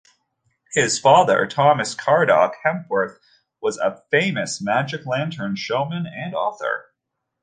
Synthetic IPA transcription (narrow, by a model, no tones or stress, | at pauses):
hɪz̥fɑðə̰˞tʰɑmɨskʰɑɹɾɑ̰khɛ̃mpwə˞θ | wʌzə̰fẽɪ̃mɨsmæd͡ʒɨklæ̃ntʰə̃˞nʃoʊmɨ̃nɨ̃nɔθə̰˞